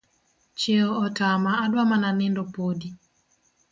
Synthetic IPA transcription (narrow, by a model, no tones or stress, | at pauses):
t͡ʃeoɔtamaːdwamananɪndɔpodi